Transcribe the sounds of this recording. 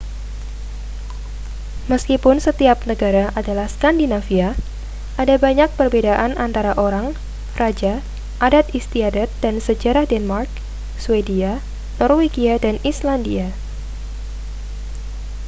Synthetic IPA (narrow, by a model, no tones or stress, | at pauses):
məskipʊnsət̪iap̚nəɡaɾaʔadalahskandinafia | ʔadabaɲak̚pərbedaʔanʔant̪aɾaʔoɾaŋ | rad͡ʒa | ʔadat̪̚ist̪iadat̪̚d̥ansəd͡ʒaɾahdɛnmark̚ | swedia | nɔrweɡiadanislandia